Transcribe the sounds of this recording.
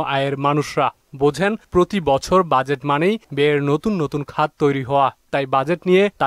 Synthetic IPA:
ʔaeɾmanuʃɾa | bod͡ʑʱenpɾot̪ibɔt͡ɕʰoɾbad͡ʑeʈmanejbeɾnot̪unːot̪unkʰad̪̚t̪ojɾiɦɔoat̪ajbad͡ʑeʈnijet̪a

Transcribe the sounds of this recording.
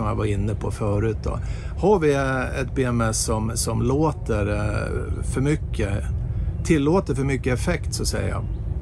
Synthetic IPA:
ɔmja̰vɑɾɪnːəpʰɔfœːɾʉ̟ːt̪̚d̪ɔ̰hɑɾʋɪɛt̪̚beːɛmɛsːɔmsɔmloːt̪əɾ | fœɾmʏkʰːə | t̪ʰɪlːoːt̪əɾfœɾmʏkːəɛfɛkt̪sɔsɛ̰jə̰jɑ̰

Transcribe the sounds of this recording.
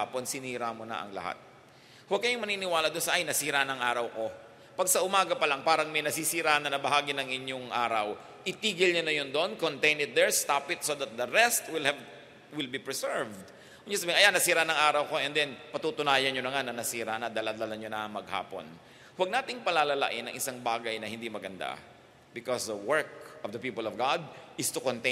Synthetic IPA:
apo̞nsɪniːɾamonɐ̰ʔɐ̰ŋlɐ̰ha̰t̪̚ | wɐɡ̚kɐjʊŋmɐniːnɪwaːlɐd̪onsɐʔɐjnɐsiːɾanɐŋʔaːɾɐwko̞ | pɐɡ̚sɐʔʊmaːɡɐpɐlɐŋpaːɾɐŋmɐjnɐsisiɾanɐnɐbɐɦaːɡɪnɐŋʔɪɲoŋʔa̰ːɾɐw | ʔɪt̪iːɡɪlɲonɐjond̪oʔonkont̪ɛjnɪt̪̚d̪ɛɹst̪apɪt̪sod̪ɐt̪̚d̪ɐɾɛst̪wɪlhɛv | wɪlbipɹɛsɛɹvd̪ | wʊd͡ʒʊsɐbiːɪŋɐjanɐsiːɾanɐŋʔaːɾɐwko̞ʔɛnd̪ɛnpɐt̪ut̪ʊnaːjɐnɲonɐŋanɐnɐsiːɾanɐd̪ɐlad̪alɐɲonɐŋmɐɡ̚ha̰ːpo̰n | wɐɡ̚naːt̪ɪŋpɐlalɐla̰ʔɪnɐ̰ŋʔɪsaŋbaːɡɐjnɐɦhɪnd̪imɐɡɐnd̪a̰ | bɪkɔsd̪ɐwɛɹk̚ʔɔvd̪ɐpiːpɐlɔvɡad̪̚ɪst̪ʊkont̪ɛ

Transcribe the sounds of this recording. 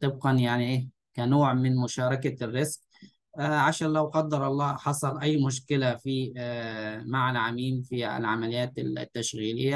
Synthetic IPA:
t̪ˤɨb̚qɑnjaʕniʔeː | kanoːʕmɪnmʊʃɑːɾˤɑkarːɪzq | ʕaʃaːnlawqɑd̪ːɑɾˤʔɑlˤːɑːħɑsˤɑlʔajːmʊʃ̬kɪlafi | maʕalʕamiːmfiɪ̰lʕamalɪjːaːt̪ɪ̰t̪ːaʃɣiːlɪjːa

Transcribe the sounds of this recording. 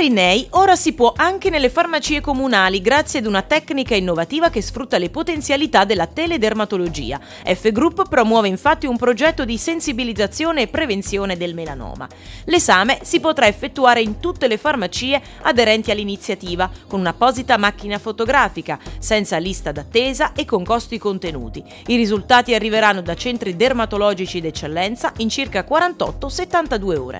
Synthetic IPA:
ɾinɛjoːɾasipwɔʔaŋk̟enelːefarmat͡ʃiːekomunaːliɡɾat̪sːjead̪unat̪ɛkːnikainːovat̪iːvak̟esfɾut̪ːalepot̪ent̪sjalit̪ad̪ːelːat̪ɛled̪ermat̪olod͡ʒḭːa̰ | ɛfːeɡɾupːpɾomwɔːveiɱfat̪ːiumpɾod͡ʒɛt̪ːod̪isensibilid̪zːat̪sːjoːneːpːɾevent̪sjoːned̪elmela̰nɔ̰ːma̰ | lezaːmesipot̪ɾaefːet̪ːuaːɾeint̪ut̪ːelefarmat͡ʃiːe | ad̪eɾɛnt̪ialːinit̪sːjat̪iːvakonunapɔːzit̪amak̟ːinafot̪oɡɾaːfikasɛnt̪salist̪ad̪at̪ːeːzaʔekːoŋkɔst̪ikont̪enṵːt̪i | iɾizult̪aːt̪iarːiveɾanːod̪at͡ʃɛnt̪ɾid̪ermat̪olɔːd͡ʒit͡ʃid̪et͡ʃːelːɛnt̪saʔint͡ʃirkakwaɾant̪ɔ̰t̪ːoset̪ːant̪ad̪uːeo̰ːɾḛ

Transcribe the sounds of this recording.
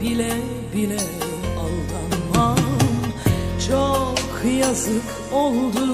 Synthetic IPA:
bilɛ | bilʲɛ | alˠd̪anma | t͡ʃʰokʰːɯjazɯk | olˠd̪u

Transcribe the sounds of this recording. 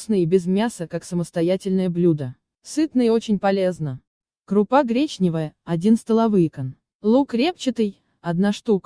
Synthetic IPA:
snɨjəbʲɪzmʲasəkaksəməst̪ɐjatʲɪlʲnəjəblʲud̪ə | sɨt̪nəjɪo̞t͡ɕɪnʲpɐlʲe̞znə | kɾʊpaɡɾʲet͡ɕnʲɪvəjəɐdʲinst̪əlˠɐvɨjkən | lˠukɾʲept͡ɕɪt̪ɨj | ɐd̪naʂt̪uk

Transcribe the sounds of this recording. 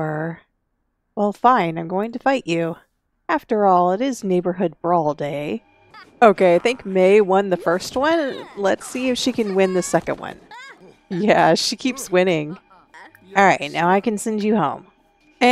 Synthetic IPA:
ə˞ | wɛlˠfãɪ̃nãɪ̃mɡoʊɪ̃ŋtɨfaɪt͡ʃʉ | æftə˞ɔlˠɪɾɪzneɪbə˞ɦʊd̚bɹɔlˠdeɪ | oʊkʰeɪaɪθɪ̃ŋkmeɪwʌ̃nðɨfɜ˞st̚wʌ̃nlətsiɨfʃikɨ̃nwɪ̃nðɨsɛkɨ̃nʔwʌ̰̃n | jæʃikʰipswɪ̃ñɪ̃ŋ | ɔlˠɹaɪtⁿnaʊaɪkɨ̃nsɛ̃nd͡ʒɨhõʊ̃m

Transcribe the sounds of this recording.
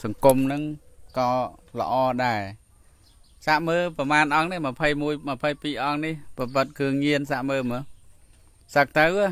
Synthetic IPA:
sɑŋkumnɨŋkɑːlə̰̆ʔɑːɗaɛ | saʔməːpɑmaːnʔɑŋniəməpʰəjmuəjməpʰəjpiːʔɑŋnihprɑp̬ɾɨt̪̚kʰɨəŋɲiənsaʔməːmɨə | sək̚t̪əwɨ

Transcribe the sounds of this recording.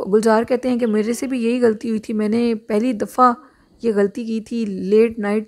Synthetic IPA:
ɡʊld͡ʒaːɾkɛɦt̪eɦɛ̃k̬emeːɾesebʱijɐɦiɣɐlət̪iɦʊit̪ʰimɛ̃ːnepɛɦlid̪ɐfa | jeɣɐlət̪ik̬iːt̪ʰileːʈ̚naːɪʈ

